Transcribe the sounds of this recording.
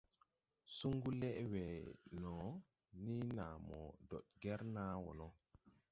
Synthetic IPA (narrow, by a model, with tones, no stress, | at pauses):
su˦ŋɡu˦lɛ˦ʔwɛ˨nɔ˨ | ni˦naː˨mɔ̰˨dɔ̰˨ɗ̚ɡɛ˦ɾnaː˦wɔ̰˨nɔ˦